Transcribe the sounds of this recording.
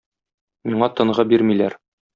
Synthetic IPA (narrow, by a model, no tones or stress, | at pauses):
miɴɑt̪ɤ̆ɴʁɤbiɾmilæɾ